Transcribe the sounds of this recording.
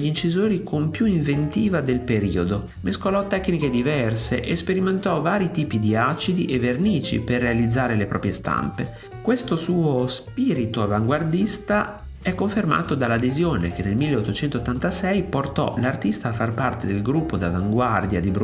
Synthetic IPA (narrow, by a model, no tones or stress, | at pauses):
ʎint͡ʃizoːɾikʰompjuiɱvent̪iːvad̪elpeɾiːod̪o | meskolɔt̪ːɛkːniked̪ivɛrseʔespeɾiment̪ɔvaːɾit̪iːpid̪iat͡ʃid̪iʔevːerniːt͡ʃḭperːealid̪zːaːɾelepɾɔ̰ːpɾjest̪a̰mpe | kwest̪osuːospiːɾit̪oavaŋɡward̪ist̪a | ɛkːoɱferma̰ːt̪od̪alːad̪ezjoːnekenːelmilːeot̪ːot͡ʃɛnt̪ot̪ːant̪asɛjport̪ɔ̰lart̪ist̪aːfːarpart̪ed̪elɡɾupːod̪avaŋɡward̪jad̪ibɾ